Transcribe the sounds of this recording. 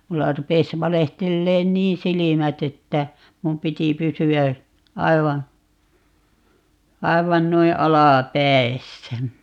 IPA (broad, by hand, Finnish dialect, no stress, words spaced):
mulːɑ rupes ʋɑlehtelːeːn niːn silimæt etːæ mum piti pysyæ ɑiʋɑ ɑiʋɑn noi ɑlɑˑpæi̯sːæ